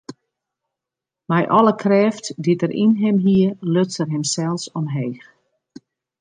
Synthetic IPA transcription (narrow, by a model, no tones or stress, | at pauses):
mɛjʔɔlˠəkʰrɛːftdidərʔḭnɦɪmɦiəløt͡sərɦɛmsɛlˠsɔnɦeːx